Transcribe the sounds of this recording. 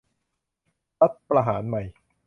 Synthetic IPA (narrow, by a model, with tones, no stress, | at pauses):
ɾa˦˥t̪̚pɾa˧ɦaː˩˦nma˨˩j